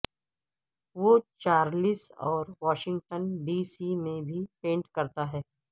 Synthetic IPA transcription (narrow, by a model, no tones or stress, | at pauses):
ʋot͡ʃaːɾlisɔːɾʋaːʃɪ̃ŋɡ̚ʈənɖiːsimẽbʱipẽːɳʈkɐɾt̪aɦɛː